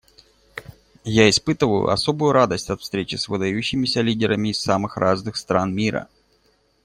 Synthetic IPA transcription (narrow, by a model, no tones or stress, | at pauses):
jaɪspɨt̪ɨvəjʊ̰ʔɐ̰sobʊjʊɾad̪əsʲtʲɐt̪fst̪ɾʲet͡ɕɪsvɨd̪ɐjʉɕːɪmʲɪsʲəlʲidʲɪɾəmʲɪːsːamɨxraznɨxst̪ɾanmʲiɾə̰